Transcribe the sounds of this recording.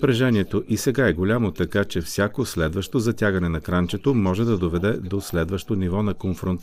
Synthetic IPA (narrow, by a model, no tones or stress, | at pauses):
pɾɐʒɛniɛt̪oʔisɛɡaɛɡolʲamot̪ɐkat͡ʃɛfsʲjakoslɛd̪vɐʃt̪ozɐt̪ʲjaɡɐnɛnɐkɾant͡ʃɛt̪omɔʒɛd̪ɐd̪ovɛd̪ɛd̪oslɛd̪vɐʃt̪onivɔnɐkonfɾont̪